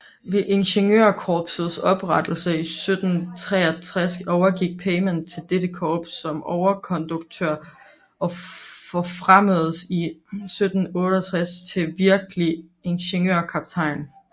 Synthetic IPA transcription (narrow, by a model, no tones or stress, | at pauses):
ʋe̝ʔe̝nɕenjøɐkʰɒːb̥sð̩ˠsɒ̽b̥ʁad̥l̩səisød̥n̩t͡sʰʁɛ̰ːɐt͡sʰʁasɒʊɐɡ̥iɡ̥̚pʰeɪment͡sʰe̝ld̥ed̥əkʰɒːb̥sɒ̽mɒʊɐkʰɒ̽nd̥uɡ̥̚t͡sʰøɐ̰ | ʔɒ̽fɒfʁaməð̩ˠsisød̥n̩ɔ̽ːɾ̥əɐæt͡sʰʁast͡sʰe̝ʋiɐɡ̥əlie̝nɕe̝njø̰ɐ̰kʰɑ̈b̥t͡sʰɑ̈ɪ̰n